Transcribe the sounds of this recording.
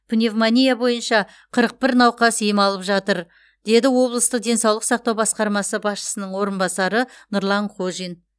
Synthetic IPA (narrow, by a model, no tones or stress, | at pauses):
pʰune̞vmanʲijabo̞jənʃɑ | qʰəɾəq̚pɪɾnɑwqɑsijəmɑlˠəpʒɑt̪əɾ | d̪̥e̞d̪ɪwo̞blˠəst̪əq̚d̪e̞nsɑwlˠəqsɑq̚t̪ɑwbɑsqɑɾmɑsəbɑsʃə̥sənəɴwo̞ɾənbɑsɑɾənʊɾlˠɑɴqʰoʒin